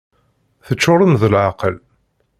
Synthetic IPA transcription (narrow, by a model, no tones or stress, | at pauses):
θət͡ʃːʊɾˤəmðəlʕɑqəl